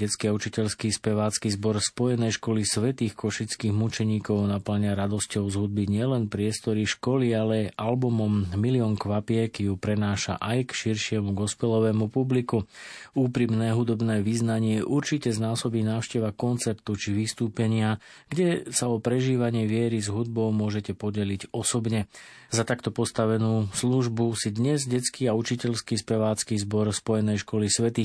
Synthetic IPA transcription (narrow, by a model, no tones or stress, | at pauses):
ɟɛt͡skiaut͡ʃicɛʎskispɛʋaːt͡skizbɔɾspɔjɛnɛjʃkɔlisʋɛt̪iːxkɔʃit͡skiːɣmut͡ʃɛɲiːkɔʊnapl̩ɲaɾad̪ɔscɔʊzɦud̪̚biɲɪɛlɛnpɾɪɛst̪ɔɾiʃkɔlialɛʔalbumɔmːiliɔŋkʋapɪɛkijupɾɛnaːʃa̰ʔajkʃiɾʃɪɛmuɡɔspɛlɔʋɛːmupublikuuːpɾimnɛːɦud̪ɔbnɛːʋiznaɲɪɛʔuɾt͡ʃicɛznaːsɔbinaːʊʃcɛʋakɔnt͡sɛpt̪ut͡ʃiʋist̪uːpɛɲɪa | ɡɟɛsaɔpɾɛʒiːʋaɲɪɛʋɪɛɾizɦud̪̚bɔʊmʊɔʒɛcɛpɔɟɛlicɔsɔbɲɛ | zat̪akt̪ɔpɔst̪aʋɛnuːsluʒbusid̪ɲɛzɟɛt͡skiaut͡ʃicɛʎskispɛʋaːt͡skizbɔɾspɔjɛnɛjʃkɔlisʋɛt̪i